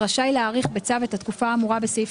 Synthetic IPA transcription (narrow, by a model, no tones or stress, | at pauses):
aʃajleaːʁiχbet͡savetat̪kufaːmuʁabesif